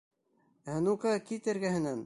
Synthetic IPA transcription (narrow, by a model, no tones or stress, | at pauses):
ænukɑkit̪ɘ̆ɾɡæɦɘ̆næn